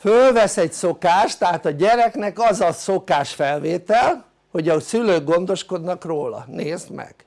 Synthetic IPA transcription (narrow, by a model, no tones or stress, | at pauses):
følvɛsɛcso̞kaːʃt̪ɛɦaːt̪ɒɟɛɾɛknɛkɒzɒso̞kaːʃfɛlveːt̪ɛl | ho̞ɟɒsyløːɡɡo̞nd̪o̞ʃko̞d̪nɒkroːlɒ̰neːzmɛ̰ɡ̥